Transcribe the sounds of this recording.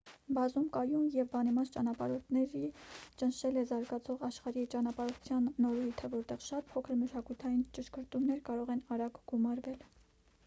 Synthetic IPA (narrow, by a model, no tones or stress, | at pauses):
bɑzumkɑjumjɛvbɑnimɑst͡ʃɑnɑpɑɾɔt̪ʰnɛɾit͡ʃənʃɛlɛzɑɾɡɑt͡sʰɔʁɑʃχɑɾit͡ʃɑnɑpɑɾɔt̪ʰjɑnːɔɾujt̪ʰəvɔɾt̪ɛʁʃɑt̪̚pʰɔkʰəɾməʃɑkujt̪ʰɑjint͡ʃəʃkəɾt̪umnɛɾkɑɾɔʁɛnɑɾɑɡɡ̥umɑɾvɛl